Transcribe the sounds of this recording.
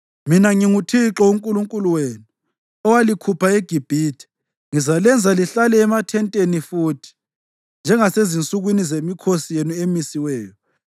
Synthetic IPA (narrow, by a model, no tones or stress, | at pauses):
minaŋiŋutʰiǁɔuŋkʼuluŋkʼuluweːnu | ɔwalikʰupʰaeɡ̥ʱib̥ʱiːtʰi̥ | ŋizalɛnd͡zʱaliɬalɛːmatʰɛntʼenifuːtʰi̥ | nd͡ʒʱɛŋasezint͡sʼuɣwinizemikʰosijenuemisiwɛːjɔ